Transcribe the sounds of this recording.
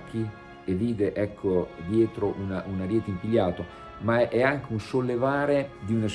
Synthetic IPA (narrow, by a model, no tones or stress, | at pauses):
kʰːi | eviːd̪eʔɛkʰːod̪jɛːt̪ɾoʔunaʔunaɾjɛːt̪eimpiʎːaːt̪o | maʔɛaŋk̟eunsolːevaːɾed̪iunas